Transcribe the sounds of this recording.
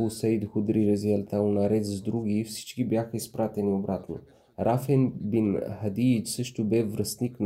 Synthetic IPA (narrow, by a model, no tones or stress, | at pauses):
usɛjd̪xud̪ɾiɾəziɛlt̪aunɐɾɛt̪zd̪ɾuɡʲifsi̥t͡ʃkibjaxəispɾat̪ɛniobɾat̪no | ɾʔafɛnbinhɐd̪it͡ʃsɤʃt̪obɛvɾəst̪nikn